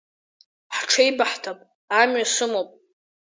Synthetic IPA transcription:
ħʈ͡ʂʰaibaħtʰapʼ | amɥasɨmopʼ

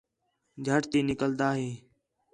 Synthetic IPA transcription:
d͡ʒʱəʈt̪iːnɪkəld̪aːɦeː

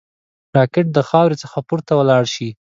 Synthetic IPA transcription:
ʈɑkɪʈ̚d̪əxɑwɾet͡səxapuɾt̪awəlɑɽʃi

